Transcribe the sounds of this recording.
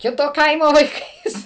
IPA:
ˈkʲɪtoː ˈkɐɪmoː ʋɐɪˈkɐɪs

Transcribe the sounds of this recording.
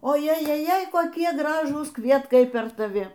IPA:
oː jɛjɛˈjɛɪ koːˈkʲiɛ ˈɡrɑːʒuːs ˈkʋʲiɛtkɐɪ pʲɛr tɐˈʋʲɪ

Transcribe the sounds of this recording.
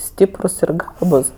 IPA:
ˈsʲtʲiːprʊs ɪr ˈɡɑːbʊs

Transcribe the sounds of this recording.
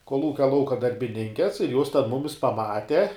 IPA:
koːlˠˈuːkʲɛ ˈlˠɐʊkɐ dɐrʲbʲɪˈnʲɪŋʲkʲɛs ɪr joːs tʲɛn ˈmʊmʲɪs pɐˈmɑːtʲɛ

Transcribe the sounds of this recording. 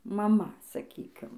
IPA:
mɐˈmɐ sɐˈkʲiːkʲɪm

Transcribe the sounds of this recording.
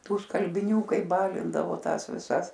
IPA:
ˈtuː skɐlʲbʲɪˈnʲuː ˈkɐɪ ˈbɑːlʲɪndɐʋoː ˈtɑːs ʋʲɪˈsɐs

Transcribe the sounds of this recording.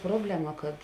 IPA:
ˈproːbʲlʲɛˌmɐ kɐt

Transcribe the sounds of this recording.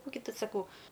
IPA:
ˈkuː ɡʲɪ ˈtʊ sɐˈkɐʊ

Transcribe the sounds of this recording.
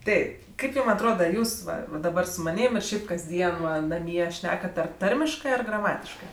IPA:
ˈtʲɛɪp ˈkɐɪp ˈjuːm ɐtˈroːdɐ ˈjuːs ˈʋɐ ʋɐ dɐˈbɐr sʊ mɐˈnʲiːm ɪr ˈʃʲɛɪp kɐzʲˈdʲiɛn ˈʋɐ nɐˈmʲiɛ ˈʃʲnʲæːkɐt ˈɐr ˈtɐrʲmʲɪʃkɜ ɐr ɡrɐˈmɑːtʲɪʃkɜ

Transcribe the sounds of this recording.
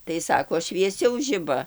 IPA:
tɐɪ ˈsɑːkoː ʃʲʋʲiɛˈsʲɛʊ ˈʒʲɪbɐ

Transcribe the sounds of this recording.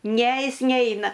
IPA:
nʲɛ ˈjɪs ˈnʲɛɪnɐ

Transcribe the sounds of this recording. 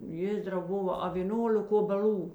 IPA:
ˈjeːzdrɐʊ ˈboːʋɐ ɐ ʋʲeː ˈnuɔlʲɛk oːbʲɛˈlʲuː

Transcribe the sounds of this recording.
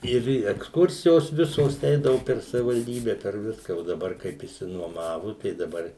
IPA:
ˈɪr ɛksˈkʊrʲsʲɪjoːs ˈʋʲɪsoːs ˈɛɪdɐʋʊ pʲɛr sɐʋʲɪʋɐlʲˈdʲiːbʲɛ pʲɛr ˈʋʲɪskɐ oː dɐˈbɐr kɐɪp ɪʃʲsʲɪnuɔˈmɑːʋʊ tɐɪ dɐˈbɐr

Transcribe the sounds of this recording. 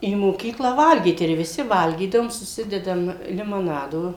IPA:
iː moːˈkʲiːklˠɐ ˈʋɐlʲɡʲiːt ɪr ʋʲɪˈsʲɪ ˈʋɐlʲɡʲiːdɐʋoːm sʊˈsʲɪdʲɛdɐm lʲɪmoːˈnɑːdoː

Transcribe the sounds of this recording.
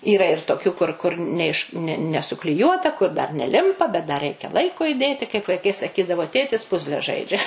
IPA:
iːˈrɐ ɪr toːˈkʲuː kʊr kʊr nʲɛ ɪʃ nʲɛ nʲɛsʊklʲɪˈjuɔtɐ kʊr dɐr nʲɛˈlʲɪmpɐ bʲɛt dɐ ˈrʲɛɪkʲɛ ˈlˠɐɪkoː ɪˈdʲeːtʲɪ kɐɪp ʋɐɪˈkɐɪ sɐˈkʲiːdɐʋoː tʲeːtʲɪs ˈpʊzʲlʲɛ ˈʒɐɪd͡ʒʲɛ

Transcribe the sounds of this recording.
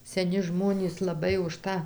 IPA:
sʲɛˈnʲɪ ˈʒmoːnʲiːs lˠɐˈbɐɪ ʊʃ ˈtɑː

